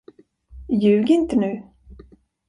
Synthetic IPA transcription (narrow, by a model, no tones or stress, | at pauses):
jʉ̟ːɡɪnt̪ənʉ̟ː